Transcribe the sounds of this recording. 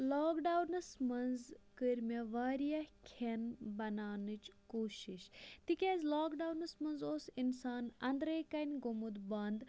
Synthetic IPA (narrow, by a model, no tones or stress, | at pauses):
laːkɖaːwnɨsmɐnzkəɾʲmʲɐʋaːɾijɐhkʰenbɐnaːnɨt͡ʃkoːʃiʃt̪ikʲezlaːkɖawnɨsmɐnzoːsinsaːnɐnd̪ɾɐːkɐnʲɡomud̪bɐnd̪